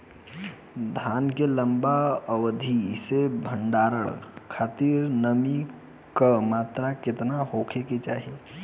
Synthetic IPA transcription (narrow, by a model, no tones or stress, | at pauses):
d̪ʱaːnkeləmbaəwd̪ʱisebʱə̃ɳɖaːɾəɽkʰaːt̪iɾnəmi | kamaːt̪ɾakɪt̪naɦoːkʰeket͡ʃaːɦie